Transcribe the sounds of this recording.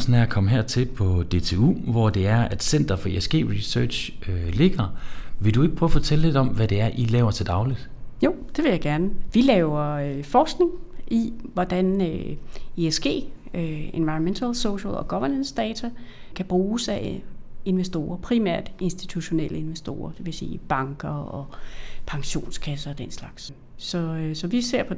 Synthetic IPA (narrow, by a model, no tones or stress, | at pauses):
sn̩æɐkʰɒ̽məɦɛɐ̰t͡sʰe̝lpʰɒ̽d̥e̝̰t͡sʰe̝ṵːʋɒd̥e̝æɐæd̥sen̰d̥ɐfɒ̽iesɡ̥e̝̰ːʁisø̥ːɕøle̝ɡ̥ɐʋe̝ld̥ue̝ɡ̥əpʰʁœːʊfɒt͡sʰele̝d̥ɒ̽mʋæd̥e̝æɐʔilɛːʊɐt͡sʰe̝ld̥ɑ̈ʊlid̥jo̝̰ | d̥e̝ʋe̝jɑ̈ɪɡ̥æɐnəʋilɛːʊɐøfɒːsɡ̥ne̝ŋʔiʋɒd̥ænøeesɡ̥e̝̰ːøenʋɑ̈ɪnment͡sʰælsoʊɕəlɒ̽ɡ̥ɒ̽ʋɐnənsd̥ɛːt͡sʰæ | kʰæb̥ʁuːsæe̝nʋesd̥o̝̰ːɐpʰʁimæ̰ɐ̰d̥e̝nsd̥it͡sʰuɕo̝nel̰ʔəe̝nʋesd̥o̝̰ːɐd̥e̝ʋe̝sḭːb̥ɑ̈ŋɡ̥ɐɒ̽pʰɑ̈ŋɕo̝̰ːnskʰæsɐɒ̽d̥en̰slɑ̈ɡ̥s | sɒ̽sɒ̽ʋise̝ɐ̰pʰɒ̽